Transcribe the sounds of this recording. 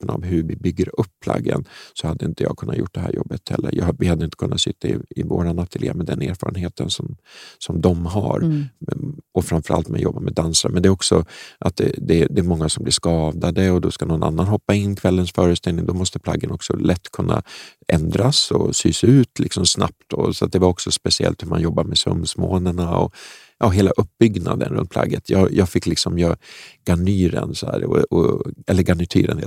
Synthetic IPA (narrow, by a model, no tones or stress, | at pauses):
pənavɦɵvɪbʏɡːəɾɵpːpʰːla̰ɡːənsɔhad̪ːəɪnt̪əjɑ̰ːɡkʰɵnːat̪jʊ̰ʈ̚ːd̪ɛɦæ̰ːɾjɔbːət̪hɛlːə̰ɾjɑːvɪhad̪ːəɪnt̪əkʰɵnːat̪sʏt̪ːaɪɪvoːɾanat̪ʰːɪlɪa̰mɛd̪ɛnḛːɾfɑ̰ːɾənheːt̪ʰənsɔmsɔmd̪ɔmɦaɾ | ɔfɾamfœɾa̰lt̪mɛ̰njɔbːamɛd̪ansaɾmɛnd̪ɛːɾɔksɔʔat̪̚d̪ɛd̪ɛd̪ɛːɾmɔŋːasɔmblɪʂkɑːd̪ad̪əɔd̪ɔskanɔnʔa̰nːanɦɔpːaɪnːkʰvɛlːənsfœːɾəst̪ɛlnɪŋd̪ɔmɔst̪əpʰla̰ɡːənɔksɔlʔɛt̪ːkʰɵnːa̰ʔɛnd̪ɾasɔsyːsaʉ̟ːt̪lʔɪksɔmsna̰p̚t̪ɔsɔat̪̚d̪ɛvaɾɔksɔspɛsɪɛ̰lt̪hɵɾmanjɔbːamɛsɵ̰msmoːnəɳaɔ | ʔɑːɦeːlaʔɵp̚ːbʏɡna̰d̪ə̰nɾɵ̰nt̪̚pʰla̰ɡːət̪ʰjɑːjɑːɡfɪkːlɪksɔmjœɡ̥anyːɾə̰nsɔæ̰ːɾɔɔɛlːəɾɡanɪt̪ʰy̰ːɾənhḛ